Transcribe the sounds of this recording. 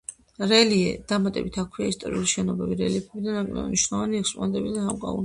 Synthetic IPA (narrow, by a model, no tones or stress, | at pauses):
ɾɛliɛ̰d̪̥amat̪ʼɛ̰bit̪ʰakʰwiaist̪ʼɔ̰ɾiuliʃɛnɔbɛbiɾɛliɛpʰɛbid̪anakʼlɛ̰bɛ̰niʃnɔvaniɛkspʼɔ̰nɛnt̪ʼɛbid̪anamkʼa̰un